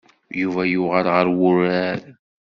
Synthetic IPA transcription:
juvæjʊʁəɾʁəɾwʊɾæɾ

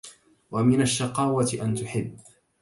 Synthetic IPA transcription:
wamɪnaʃːɑqɑːwat̪ʔant̪ʊħɪbː

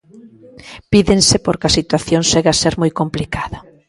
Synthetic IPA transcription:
piðeŋsɪpoɾkɐsit̪waθjoŋʃeɣaseɾmojkomplikaðɐ

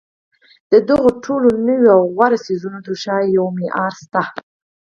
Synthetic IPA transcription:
d̪̥əd̪əɣoʈʰolonəwoawɣwaɾasizunod̪uʃɑjjawmeʔɑɾst̪a

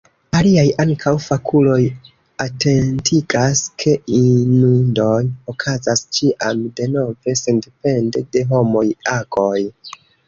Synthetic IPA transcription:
aliajaŋkʰawfakʰulo̞j | ate̞ntʰiɡaskʰe̞inundo̞jokʰazast͡ʃiʔamde̞no̞ve̞se̞ndepe̞ndede̞ɦo̞mo̞jako̞j

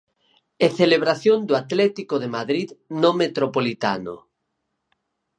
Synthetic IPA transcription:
eθeleβɾaθjond̪uat̪lɛt̪ikoðemaðɾiðnomet̪ɾopolit̪a̰no̰

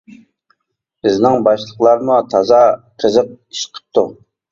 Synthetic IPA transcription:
bɪznɪŋbɑʃlˠəqlˠɑɾmut̪ʰɑzɑqʰəzəq̚i̥ʃqʰə̥p̚t̪ʰu

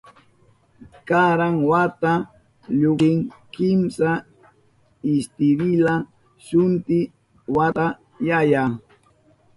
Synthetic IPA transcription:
kaɾaŋwat̪a | ʎʊɪŋkɪmsa | ɪst̪ɪɾɪla | ʃʊnt̪ɪ | wat̪a | jaja

